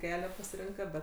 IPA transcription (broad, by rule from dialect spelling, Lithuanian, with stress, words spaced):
ˈkʲæːlʲæː pɐsʲɪˈrʲɪŋkɐ ˈbʲɛt